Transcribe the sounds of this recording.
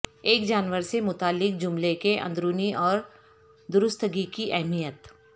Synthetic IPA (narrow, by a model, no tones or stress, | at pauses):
eːkd͡ʒaːnʋəɾsemʊt̪aːlːɪk̚d͡ʒʊmlekeʔɐ̰̃nd̪ɾuːniʔɔːɾ | d̪ʊɾʊst̪ʰɡikiʔɛɦmijət̪